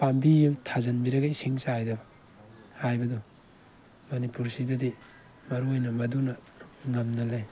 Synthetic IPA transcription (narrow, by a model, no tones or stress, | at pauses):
pambiuwtʰazɐnbiɾɐɡajsiŋsaajdɐbɐ | hajbɐdu | mɐnipuɾsidɐdi | mɐɾuojnɐmɐdunɐ | ŋɐmnɐlej